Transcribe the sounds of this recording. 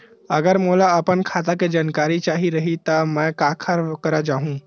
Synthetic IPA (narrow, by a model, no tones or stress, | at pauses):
ɐɡəɾmoːlaɐpənkʰaːt̪aked͡ʒaːnkaːɾit͡ʃaːɦiɾɐɦit̪amɛ̃kaːkʰəɾkəɾad͡ʒaːɦũ